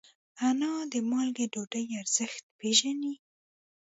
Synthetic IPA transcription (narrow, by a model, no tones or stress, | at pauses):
anɑd̪əmɑlɡeɖoɖəjaɾz̥əxt̪̚peʒani